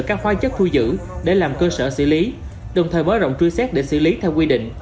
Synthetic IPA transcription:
kaː˦˥k̚hwaː˨˦t͡ɕə˦˥k̚t̪ʰu˧zɨ̰˧˥ɗe˧˩laː˨˩mkəː˧səː˧˩sɨ̰˧˥li˨˦ | ɗə˨˩wŋ͡mt̪ʰəː˨˩jmaː˨˦jzə̰˧˨wŋ͡mt͡ɕi˧jsɛ˦˥t̚ɗe˧˩sɨ̰˧˥li˨˦t̪ʰɛ˧wkwi˧ɗḭ̈˧˨ŋ̟

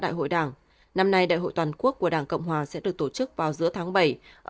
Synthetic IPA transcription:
ɗa̰ː˧˨jɦo̰˧˨jɗaː˧˩ŋ | na˧mna˧jɗa̰ː˧˨jɦo̰˧˨jt̪waː˨˩nku˦˥ək̚ːu˧˩əɗaː˧˩ŋkə̰˧˨wŋ͡mhwaː˨˩sɛ̰˧˥ɗɨ˨˩ək̚t̪o˧˩t͡ɕɨ˦˥k̚vaː˨˩wzɨ̰˧˥ət̪ʰaː˨˦ŋɓə˧˩jʔ

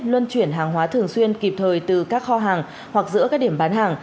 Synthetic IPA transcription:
lwə˧nt͡ɕwi˧˩ənɦaː˨˩ŋɦwaː˨˦t̪ʰɨ˨˩əŋswi˧ənki˨˩p̚t̪ʰəː˨˩jt̪ɨ˨˩kaː˦˥k̚xɔ˧ɦaː˨˩ŋ | hwa˨˩k̚zɨ̰˧˥kaː˦˥k̚ɗi˧˩əmɓaː˨˦nɦaː˨˩ŋ

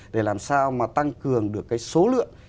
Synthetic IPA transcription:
ɗe˧˩laː˨˩msaː˧wmaː˨˩t̪a˧ŋkɨ˨˩əŋɗɨ˨˩əkːaː˨˦jso˨˦lɨ̰˧˨əŋ

